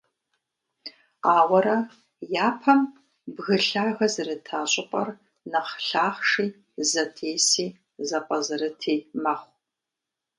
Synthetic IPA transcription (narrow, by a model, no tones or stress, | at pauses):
aːwɐɾɐ | jaːpʰɐm | bɣɨɬaːɣɐzɨrɨtʰaːɕʼɪpʼɐr | nɐχɬaːχʂiː | zɐtʰeːsiː | zɐpʼɐzɨrɨtʰiːmɐχʷ